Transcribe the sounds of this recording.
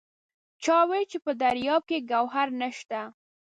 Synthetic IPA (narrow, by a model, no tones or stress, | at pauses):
t͡ʃɑwet͡ʃepəd̪aɾjɑb̚keɡawɦaɾnəʃt̪a